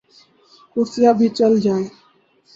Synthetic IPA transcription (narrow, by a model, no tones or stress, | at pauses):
huːsɪjaːbʱiːt͡ʃəld͡ʒaːeː